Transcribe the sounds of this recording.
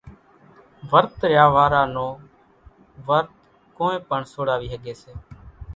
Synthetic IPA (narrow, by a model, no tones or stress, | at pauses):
ʋəɾt̪ɾjaːʋaːɾaːnõː | ʋəɾt̪̚ | kõːẽːpəɳsoːɽaːʋiːɦəɠeːseː